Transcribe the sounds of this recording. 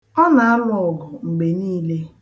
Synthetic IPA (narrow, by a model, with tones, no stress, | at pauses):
ɔ˦na˨a˦lʊ˦˨ɔ˨ɡɔ˨ŋ͡m̩˨ɡ͡be˨niː˦le˦